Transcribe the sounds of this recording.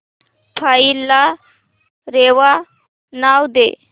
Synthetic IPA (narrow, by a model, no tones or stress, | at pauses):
pʰaila | ɾewa | nawd̪ḛ